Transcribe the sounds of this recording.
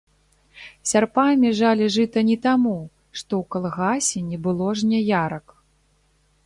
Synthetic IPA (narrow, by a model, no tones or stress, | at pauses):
sʲarpamʲiʐalʲiʐɨt̪ɐnʲit̪amu | ʂt̪ɔwkalˠɣasʲɛnʲɛbɨlˠɔʐnʲajaɾɐk